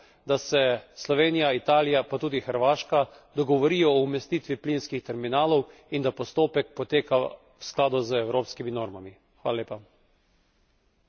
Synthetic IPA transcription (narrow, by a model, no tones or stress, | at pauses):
d̪asɛslɔʋeːnijait̪aːlijapat̪uːd̪ixəɾʋaːʃka | d̪ɔɡɔʋɔɾiːjɔːumɛst̪it̪ʋiplinskixt̪ɛɾminaːlɔwind̪apɔst̪oːpɛk̚pɔt̪eːka | wsklaːd̪uzəɛwɾoːpskiminoːɾmami | xʋaːlaleːpa